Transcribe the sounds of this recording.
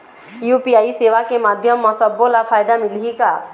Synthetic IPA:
jupiaːiseːʋakemaːd̪ʱjəmːɔ̃səbːolafʰaːjd̪amɪlɦika

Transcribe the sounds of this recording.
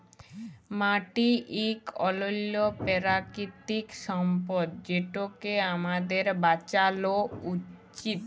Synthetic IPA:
maʈiʔikɔlolːopeɾakit̪ikʃɔmpod̪̚d͡ʑeʈokeamad̪eɾbat͡ɕalout͡ɕit̪

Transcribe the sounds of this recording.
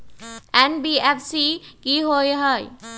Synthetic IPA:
enbiepʰsikiɦojɦʌj

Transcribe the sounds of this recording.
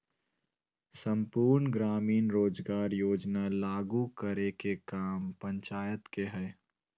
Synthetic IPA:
sə̃mpuːɾnɡɾaːmiːnɾoːd͡ʒɡaːɾjoːd͡ʒnalaːɡukəɾekekaːmpə̃ɲt͡ʃaːjət̪keɦɛː

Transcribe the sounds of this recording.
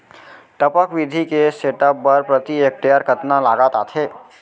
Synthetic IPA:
ʈəpəkʋɪd̪ʱikeseːʈəpːɐɾpɾɐt̪iek̚ʈejəɾkət̪nalaːɡat̪at̪ʰeː

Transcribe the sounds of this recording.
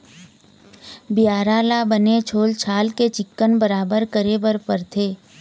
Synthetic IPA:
bɪjaːɾaːlabənet͡ʃʰoːlt͡ʃʰaːlket͡ʃɪkːənbəɾaːbəɾkəɾebəɾpəɾt̪ʰeː

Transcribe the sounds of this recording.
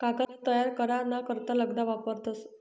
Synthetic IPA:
kakanət̪əjaɾkəɾaɾnakəɾt̪aləɡd̪aʋapəɾt̪os

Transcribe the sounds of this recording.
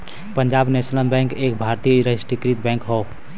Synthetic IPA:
pəɲd͡ʒabnesnəlbɛ̃ŋkek̚bʱaɾt̪ijɾəsʈikɾit̪bɛ̃ŋkɦɔw

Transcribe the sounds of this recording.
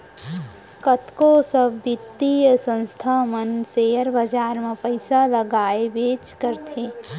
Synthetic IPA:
kət̪kosəbːɪt̪ːijsə̃nst̪ʰamənseːəɾbəd͡ʒaːɾmãpəɪsaləɡaːebeːt͡ʃkəɾt̪ʰeː

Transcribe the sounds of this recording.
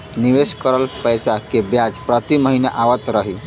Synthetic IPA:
niʋeskəɾəlpəjsakebjad͡zpɾət̪iməɦinjaʔaʋət̪ɾəɦi

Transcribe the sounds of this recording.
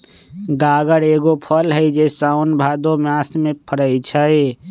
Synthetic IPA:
ɡaːɡəɾeːɡopʰəlɦəjd͡ʒesaʊnbʱaːd̪omjasmẽpʰəɽəɪt͡ʃʰəj

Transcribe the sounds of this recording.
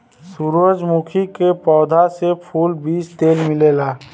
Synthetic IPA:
suɾʋəd͡ʒmukʰikepɔːd̪ʱasepʰuːlbiːd͡ʒt̪eːlmɪleːlaː

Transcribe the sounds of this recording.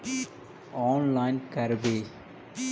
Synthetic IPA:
ɔːnlaɪnkɐɾbeː

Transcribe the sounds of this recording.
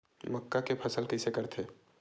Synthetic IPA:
məkːakepʰɐsəlkɛsekəɾt̪ʰeː

